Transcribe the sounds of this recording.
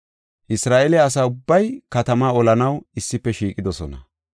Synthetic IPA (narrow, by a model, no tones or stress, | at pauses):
ʔɪsɾaːʔɛlɛɐs̬aːʊbːɐjkɐt̪ɐmaːɔlɐnɐwɪsːɪpːɛʃiːkʼɪd̪ɔsɔnɐ